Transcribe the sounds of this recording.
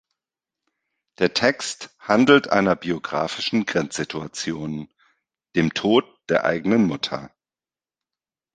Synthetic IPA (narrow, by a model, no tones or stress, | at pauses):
d̥eːɐtʰɛksthandl̩tʔa̰ɪnɐbioɡʁa̰ːfɪʃn̩ɡʁɛnt͡sz̥ɪtuat͡sjoːn | d̥eːmtʰoːt̚d̥eːɐʔa̰ɪɡənənmʊtʰɐ̰